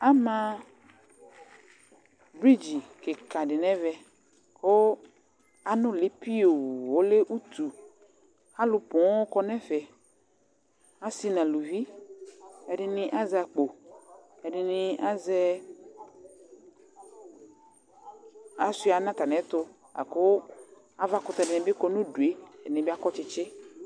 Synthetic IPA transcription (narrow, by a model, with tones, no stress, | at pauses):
a˦mã˦ | bɾi˦d͡ʒi˨ke˨ka˨ɖɪ˨nɛ̃˦vɛ˦ | ko˦ | a˨nʊ̃˦lɪ˦pi˦o˨wo˦le˦ʔu˦t̪u˨ | ha˦lʊ˨pɔ̃˨˦o˦kɔ˦nɛ̃˦fɛ˨ | a˦si˦nã˨lu˨vi˦ | ɛ˨ɖɪ˦nɪ̃˦ʔa˦za˨k͡po˨ | ɛ˨dɪ˨nɪ˨a˦zɛ˦ | a˨si˦a˨˦nã˦t̪a˨nɛ̃˨˦t̪ʊ˦ | a̰˨kʊ˦ | a˦va˦kʊ˨t̪a˨dɪ˨nɛ̃˨bɪ˦kɔ˦nʊ̃˦du˨e˦ɛ˨ɪ˨nɛ̃˨ba˦kɔ˦t͡ʃɪ˦t͡ʃɪ˦